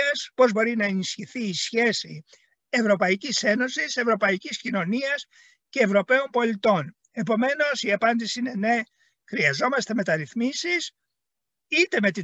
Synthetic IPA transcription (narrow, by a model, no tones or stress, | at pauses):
ɐspo̞zbo̞ɾinɐe̞nisçiθiːsçe̞si | e̞vɾo̞pɐicise̞no̞sise̞vɾo̞pɐiciscino̞niɐs | ce̞ːvɾo̞pe̞o̞mpo̞lit̪o̞n | e̞po̞me̞no̞siɐpɐnd̪isiine̞ne̞ | xɾiɐzo̞mɐst̪e̞me̞t̪ɐɾiθmisis | it̪e̞me̞t̪i